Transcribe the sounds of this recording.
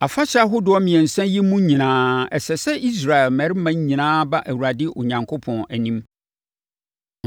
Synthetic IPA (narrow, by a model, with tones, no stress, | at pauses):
a˨fa˦ɕɪ˦a˨ɦʊ˦dʊ˨ɔ˦mĩ˨ɛ̃˨n˨sɛ̃˦nji˦mũ˦ɲĩ˨nãː˦ɛ˨sɛ˨sɛ˦ʔi˦s̬ɾa˨ɛ˨lmɛ˨ɾɪ˦mã˦ɲ˦ɲĩ˨nãː˦ba˦ʔæ˨wu˨ɾa˨dɪ˦ʔʊ˨ɲã˨ŋkʰo˦pʰɔ̃˨næ˨nĩ˦m